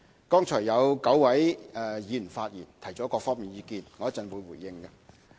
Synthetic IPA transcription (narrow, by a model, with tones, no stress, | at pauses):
kɔː˥ŋt͡ʃʰɔː˨˩jːɐ˨˧wkɐ˨˥wwɐ˨˥jɛː˨jiː˨n̩˨˩nfaː˧t̚jiː˨˩nt̪ʰɐ˨˩jt͡sɔː˨˥kɔː˧fɔː˥ŋmiː˨njiː˨˧kiː˧nŋɔ˨˧jɐ˥tt͡sɐ˨˧nwuː˨˧jwuː˨˩jːɪ˧ŋkɐ˧